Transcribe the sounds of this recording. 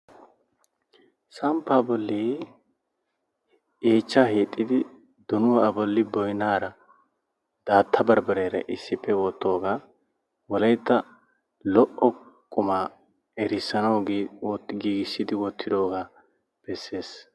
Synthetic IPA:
sɐmpːaːbɔlːiː | eːt͡ʃːaːɦeːt̪ʼːɪd̪ɪ | d̪̥ɔnʊwɐbɔlːɪbɔjnaːɾɐ | d̪̥aːt̪ʰːɐbɐɾbɐɾeːɾɐ̰ʔɪsːɪpːɛwɔt̪ːo̞ːɡaː | wɔlɐjt̪ːɐ | lɔʔɔ | kʼːʊmaː | ɛɾɪsːɐnɐw | ɡiːɡɪsːɪd̪ɪwɔt̪ʰːɪd̪o̞ːɡaː | b̥ɛsːe̞ːs

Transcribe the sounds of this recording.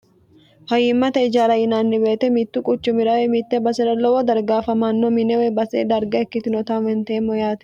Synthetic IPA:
fɐjɪmːɐt̪ɐɪd͡ʒaːɾɐjɪnaːnːɪbe̞ːt̪ɛmit̪ːʊkʼʊt͡ʃːʊmɪɾɐwemit̪ːɛbɐsɛɾɐlːɔwɔd̪ɐɾɡaːfɐmɐnːɔmɪnɛwebɐsḛːd̪ɐɾɡɐɛkːɪt̪ɪnɔt̪aːnwɛnt̪eːmːɔjaːt̪ɛ̥

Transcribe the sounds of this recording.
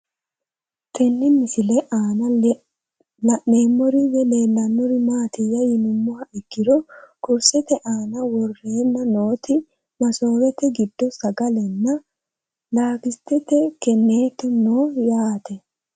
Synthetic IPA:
t̪ʰɛnːɪmɪsɪlɛʔaːnɐ | neːmːɔɾɪjɛle̞ːlːɐnːɔɾɪmaːt̪ɪjɐjɪnʊmːʊhɐʔɪkːɪɾɔkɔɾsɛt̪ɛʔaːnɐwɔrːeːnːɐnoːt̪ɪ | mɐso̞ːɾɛt̪ːɛɡɪd̪ːɔsɐɡɐlɛnːɐ | laːkɪst̪ːɛt̪ːɛkɛnːeːt̪ːɔnoːjaːt̪ɛ

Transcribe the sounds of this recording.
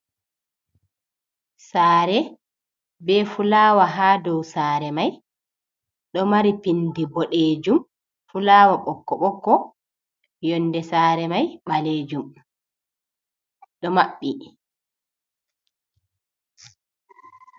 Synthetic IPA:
saːɾɛ | bɛfulaːwaɦaːdɔwsaːɾɛmaj | ɗɔmaɾipindibɔɗeːd͡ʒum | fulaːwaɓɔkːɔɓɔkːɔ | jɔndɛsaːɾɛmajɓaleːd͡ʒum | ɗɔmaɓːi

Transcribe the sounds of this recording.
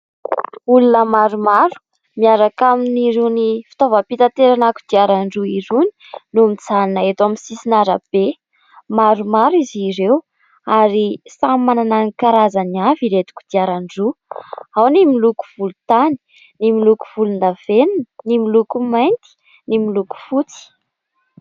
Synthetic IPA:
ulunəmaɾumaɾu̥ | miaɾakaminiɾenifi̥t̪ovapit̪at̪eɾanaku̥d̪̥iaɾaɳɖ͡ʐuiɾuni̥numit͡saninaet̪aminsisinaɾəb̥e | maɾumaɾiziɾew | aɾisamːanananikaɾazaniaviɾet̪i̥ku̥d̪̥iaɾaɳɖ͡ʐuawnimiluku̥v̥ulut̪ani̥ | nimiluku̥v̥ulund̪aveninənimilukumajnt̪i̥ | nimiluku̥fut͡si̥

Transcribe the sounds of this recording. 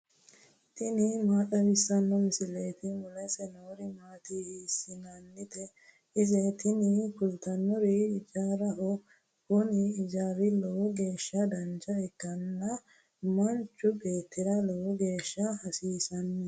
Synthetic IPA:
t̪ɪnɪmaːtʼɐwɪsːɐnːɔmɪsɪleːt̪ɪmʊlɛsɛnoːɾɪmaːt̪ihiːsɪnɐnːɪt̪ɛ | ɪzɛt̪ɪnɪkʊlt̪ɐnːɔɾɪɪd͡ʒaːɾɐhɔ | kʊnɪːd͡ʒaːɾɪlɔwɔɡe̞ːʃːɐd̪ɐnd͡ʒɐɛkːɐnːɐ | mɐnt͡ʃːʊbe̞ːt̪ːɪɾɐlɔwɔɡe̞ːʃːɐhɐsiːsɐnːɛ

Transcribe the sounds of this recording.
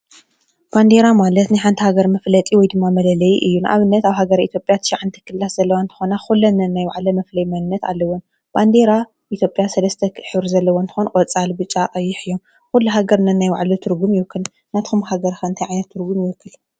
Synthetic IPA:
b̥and̪eɾamalɐt̪nɨħant̪ʰihaɡɐɾmɐflɐt̪ʼiwɔjd̪ɨmːamɐlɐlɐjʔɨjːuna̰βɨnːɐt̪aβɦaɡɐɾait̪ʰjo̞pʼjat̪ʰɨ̥ʃaʕant̪ʰɨ̥kʰɨlːaszɐlːɐwant̪ʰɨ̥xonaxulːɐnɐnːajwaʕlɐmɐflɐjmɐnɨnːɐt̪a̰lːɐwon | b̥and̪eɾa | ʔit̪jo̞pʼjasɐlɐst̪ʰɐħɨβɾzɐlːɐwont̪ʰɨ̥xonkʼɐt͡sʼalbɨt͡ʃʼaqʼɐjːɪħɨjːom | xulːuɦaɡɐɾnɐnːajwa̰ʕlɐt̪ʰɨɾɡumjɪwɨkʰːɨl | nat̪xumɦaɡɐɾxaɨnt̪ʰɐjʕajnɐt̪ʰːɨɾɡumjɪwɨkːɨl

